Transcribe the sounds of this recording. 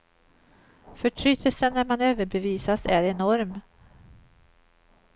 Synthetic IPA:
fœʈʰɾʏt̪ʰəlsənːæɾmanøːvəɾbɛviːsasæɾɛnɔɾm

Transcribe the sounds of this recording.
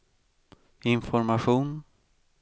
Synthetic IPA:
ɪnfɔɾmaɧuːn

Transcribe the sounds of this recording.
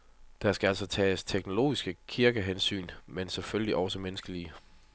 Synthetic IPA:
d̥ɑsɡ̥ææl̰sɒ̽t͡sʰɛ̰ːst͡sʰeɡ̥no̝lo̝̰ːisɡ̥əkʰiɐɡ̥əɦensy̰ːnmenseføljliʔɒ̽səmenəsɡ̥əli

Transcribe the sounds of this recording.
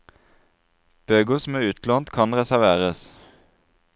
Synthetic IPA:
b̥øːɡʊːsm̩æːʉːt̪loːnt̪kʰɑnʁɛsæʁʋeːʁəs

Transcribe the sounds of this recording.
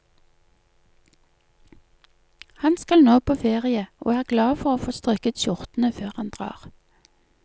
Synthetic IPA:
hɑnskɑlnoːpʰoːfeːʁɪəʔo̰ːæːʁɡlɑːfɔʁoːfoːst̪ʁœkət̪ʃʊʁt̪n̩əføːʁhɑnd̪ʁɑ̰ːʁ

